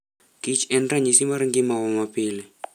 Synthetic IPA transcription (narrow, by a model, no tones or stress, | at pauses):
kit͡ʃɛnraɲisimaɾiŋɡimawɔmapilɛ